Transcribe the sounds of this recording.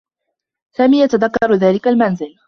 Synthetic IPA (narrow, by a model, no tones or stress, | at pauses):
saːmiːjat̪aðakːɑɾˤðaːlɪkalmanzɪl